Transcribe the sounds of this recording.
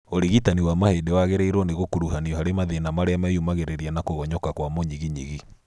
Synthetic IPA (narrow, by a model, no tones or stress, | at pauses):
oɾiɣitaniwamahedewaɣeɾeiɾwɔneɣokuɾuhaniɔhaɾemaðenamaɾeamɛjumaɣeɾeɾianakoɣɔɲɔkakwamoɲiɣiɲiɣi